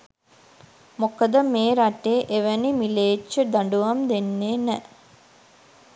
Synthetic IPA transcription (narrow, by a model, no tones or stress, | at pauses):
mokəd̪əmeːɾaʈeːʔeʋənimileːt͡ʃːəd̪aɳɖuʋamd̪enːeːnɛ